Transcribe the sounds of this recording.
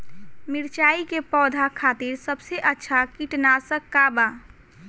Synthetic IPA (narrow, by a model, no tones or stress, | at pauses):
miɾt͡ʃaikepɔːd̪ʱakʰat̪iɾsəbseʔətːʃʰakiʈnasə̃kːaba